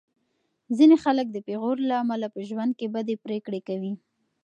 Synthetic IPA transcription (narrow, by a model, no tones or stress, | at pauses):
zinexalək̚d̪əpeɣoɾlaːmalapəʒwand̪̚kebad̪epɾekɽekawi